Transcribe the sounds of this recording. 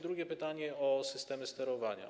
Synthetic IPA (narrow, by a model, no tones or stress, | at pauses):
d̪ɾuɡʲjɛpɘt̪aɲɛɔsɘst̪ɛmʲɛst̪ɛɾɔvaɲa̰